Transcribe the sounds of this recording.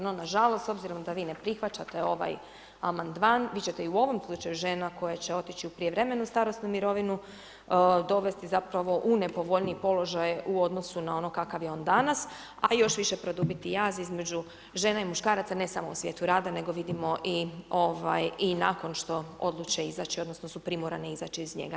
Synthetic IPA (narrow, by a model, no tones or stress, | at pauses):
nonaʒalo̞st̪o̞bziɾo̞md̪aʋiːne̞pɾixʋat͡ʃat̪e̞o̞ʋa̰j | amand̪maːnʋiːt͡ɕe̞t̪eiuo̞ʋo̞mslˠut͡ʃajuʒe̞ːnako̞jat͡ɕe̞o̞t̪it͡ɕiupɾijeʋɾe̞me̞nust̪aɾo̞st̪numiɾo̞ʋinu | d̪o̞ʋe̞st̪izapɾaʋo̞ʔune̞poʋo̞ʎniipo̞lo̞ʒajuo̞d̪no̞sunao̞no̞kakaʋjeo̞ːnd̪anas | ajo̞ʃʋiʃe̞pɾo̞d̪ubit̪ijaːzizme̞d͡ʑu | ʒe̞ːnaimuʃkaːɾat̪sane̞samousʋje̞ːt̪uɾaːd̪ane̞ɡo̞ʋid̪imo̞ʔio̞ʋajinako̞nʃt̪o̞o̞̰d̪lˠut͡ʃeiza̰t͡ʃio̞d̪nosnosupɾimoɾa̰neizaːt͡ʃiːzɲḛɡa